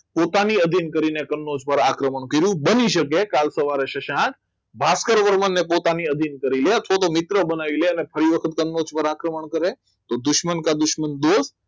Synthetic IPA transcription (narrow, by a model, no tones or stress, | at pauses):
pot̪aniəd̪ʱinkəɾinekənːod͡ʒpəɾakɾəməɳkəɾjũbəniʃək̬ekalsəʋaɾeʃəʃãk | bʱaskəɾʋəɾmənːepot̪aniəd̪ʱinkəɾileət̪ʰʋat̪omɪt̪ɾəbənaʋileənefʰəɾiʋəkʰət̪kənːod͡ʒpəɾakɾəməɳkəɾe | t̪od̪ʊʃmənkad̪ʊʃmənd̪os